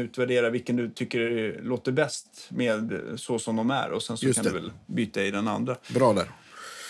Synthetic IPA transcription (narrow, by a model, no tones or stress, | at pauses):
ʉ̟ːt̪væɖeːɾavɪlkːənd̪ɵt̪ʰʏkːəɛloːt̪əɾbɛst̪meːd̪sɔsɔmd̪ɔmæ̰ɾɔ̰sɛnsɔand̪ɵvɛ̰lbyːt̪aɪd̪ɛna̰nd̪ɾabɾɑːd̪æɾ